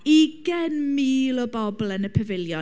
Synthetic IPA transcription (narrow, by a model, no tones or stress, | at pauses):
iɡɛnmiːlɔbɔblˠənəpʰɛvɪlˠjɔ